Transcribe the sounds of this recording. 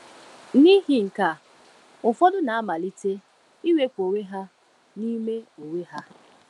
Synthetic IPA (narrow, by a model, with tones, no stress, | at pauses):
ni˦ɦi˨ŋ̩˨ka˨ | ʊ˨fɔ˦dʊ˦na˨a˦ma˨li˦te˦ | i˦we˦kʷo˨we˦ɦa˦ | ni˦me˦o˨we˦ɦa˦